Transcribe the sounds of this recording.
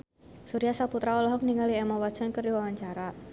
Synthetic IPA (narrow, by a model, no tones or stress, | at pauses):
suɾiasaput̪ɾaɔlɔɦɔk̚niŋaliɛmawḁt͡ʃankərdiwawaɲt͡ʃaɾa